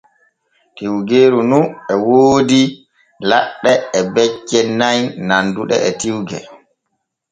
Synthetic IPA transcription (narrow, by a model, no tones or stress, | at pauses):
tiwɡeːɾununɛwoːdi | laɗːɛːbɛt͡ʃːɛnajnanduɗɛ̰ɛtiwɡɛ̰